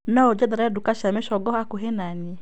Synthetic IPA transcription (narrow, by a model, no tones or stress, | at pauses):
naod͡ʒɛdɛɾaɛdukaʃameʃɔɡɔhakoɦɛnaniɛ